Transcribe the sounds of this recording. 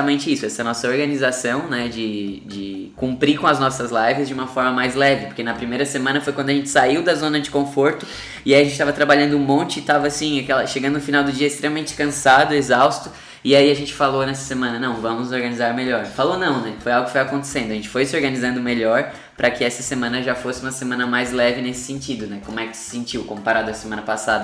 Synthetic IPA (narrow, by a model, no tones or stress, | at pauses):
ɐmẽnt͡ʃɪisʊɛsɐnɔsɐoɾɡɐnizasɐ̃w̃nɛd͡ʒɪd͡ʒɪkũmpɾikõɐznɔsɐzlajvɪzd͡ʒɪũmɐfɔɾmɐmajzlɛvɪpoɾkenɐpɾimejɾɐsemɐ̃nɐfojkwɐ̃d̪ɐaʒẽnt͡ʃɪ̥saiwd̪ɐzõnɐd͡ʒɪkõfoɾt̪ʊ | ɪaiɐʒẽtt͡ʃɪt̪avɐt̪ɾabaʎɐ̃nd̪ʊũmõnt͡ʃɪɪt̪avɐsĩakɛlɐʃeɡɐ̃d̪ʊnʊfinawd̪ʊd͡ʒiɐist̪ɾemɐmẽnt͡ʃɪ̥kɐ̃sad̪ʊezawst̪ʊ | ɪaiɐʒẽnt͡ʃɪ̥falonɛsɐ̥semɐ̃nɐnɐ̃w̃vɐ̃mʊzoɾɡɐnizaɾmeʎɔɾfalonɐ̃w̃nɛfojawɡʊkɪfojakõnt̪e̥sẽnd̪ʊɐʒẽnt͡ʃɪ̥fojsɪoɾɡɐnizɐ̃nd̪ʊmeʎɔɾ | pɾʔɐkɪɛsɐsemɐ̃nɐʒafosɪũmɐsemɐ̃nɐmajzlɛvɪnesɪ̥sẽnt͡ʃid̪ʊnɛkõmʊɛkɪ̥sɪ̥sẽnt͡ʃiwkõpaɾad̪ʊɐsemɐ̃nɐpasad̪ɐ